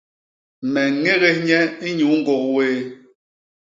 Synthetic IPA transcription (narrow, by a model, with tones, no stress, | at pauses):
mɛ˨˦ŋe˦ɣe˦ɲɛ˦i˦ɲu˨˦ŋ̩˦ɡɔ˨ʔweː˦